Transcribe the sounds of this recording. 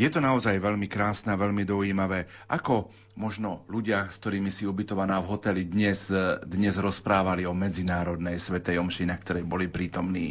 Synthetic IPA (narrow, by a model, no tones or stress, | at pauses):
jɛt̪ɔnaɔzajʋɛlmikɾaːsnɛaʋɛlmid̪ɔiːmaʋɛːʔakɔ | mɔʒnɔluɟɪaxskt̪ɔɾiːmisiubit̪ɔʋanaːvɦɔt̪ɛlid̪ɲɛzd̪ɲɛzɾɔspɾaːʋaliɔmɛd͡zinaːɾɔd̪nɛjsʋɛt̪ɛjɔmʃinak̚t̪ɔɾɛjbɔlipɾiːt̪ɔmniː